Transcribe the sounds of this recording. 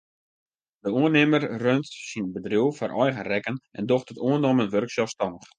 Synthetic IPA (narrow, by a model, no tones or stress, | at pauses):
dəuənɪmərrøntsinbədriwfɔrʔɔjɣərɛkənɛ̰ndoxtətuənomənʋørksɔstɔnəx